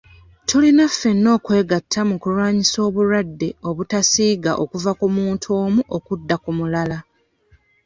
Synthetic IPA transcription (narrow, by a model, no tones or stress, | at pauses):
tʰulinafːe̞nːo̞ːkwe̞ːɡatʰːamukulwaːɲiso̞ːβuɾadːe̞o̞βutasiːɡa̰ʔo̞kuvakumuːntʰo̞ːmuʔo̞kudːakumulala